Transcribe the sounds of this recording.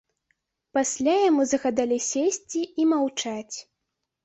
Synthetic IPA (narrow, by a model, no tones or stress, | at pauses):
pasʲlʲajamuzɐɣad̪alʲisʲesʲt͡sʲiimawt͡ʂat͡sʲ